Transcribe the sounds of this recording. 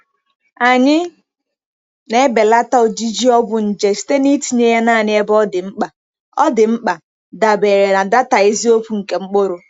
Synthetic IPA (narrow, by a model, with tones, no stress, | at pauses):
a˨ɲɪ˦ | ne˦be˨la˦ta˦o˨d͡ʒi˦d͡ʒi˦ɔ˦bʊ˨n̩˨d͡ʒe˨si̥˦te˦ni˦ti˨ɲe˦ja˦naː˦˨ɲɪ˦e˦bɔ˦dɪ˨ŋ͡m̩˦k͡pa˨ | ɔ˦dɪ˨ŋ͡m̩˦k͡pa˨ | da˨be˨ɾe˨na˨da˦ta˨i˦zi˦o˦pu˨ŋ̩˨ke˨ŋ͡m̩˦k͡pʊ˦ɾʊ˨